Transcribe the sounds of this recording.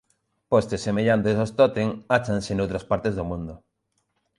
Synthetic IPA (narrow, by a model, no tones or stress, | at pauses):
post̪esːemeʎant̪esost̪ot̪eŋat͡ʃansenowt̪ɾaspaɾt̪ezðomũnd̪ʊ